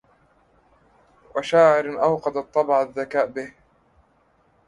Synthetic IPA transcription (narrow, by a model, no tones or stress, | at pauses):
waʃaːʕɪɾʔawqɑd̪at̪ˤːɑbʕaðːakaːʔbɪh